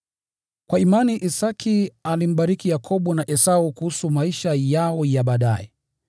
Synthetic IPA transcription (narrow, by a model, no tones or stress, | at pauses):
kwaimaniʔisakʰialim̩ɓaɾikijakʰɔɓunaʔɛsaukuhusumaiʃajaɔjaɓaːɗa̰ɛ